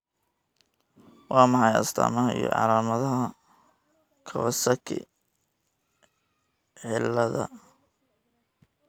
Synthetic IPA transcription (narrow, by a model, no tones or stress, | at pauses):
wɑːmɑħɑjɐst̪ʰa̰ːmɐɦɐḭjɔ̰ʕɑ̰laːmɐðɐɦɐ | kʰɐβɐsɐkʰɪ̰ | ʕɪlːɐðɐ̰